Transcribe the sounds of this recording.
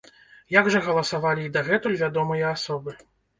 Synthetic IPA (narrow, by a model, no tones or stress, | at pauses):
jaɡʐɐɣɐlˠɐsavalʲiːd̪ɐɣɛt̪ulʲvʲad̪ɔmɨjɐasɔbɨ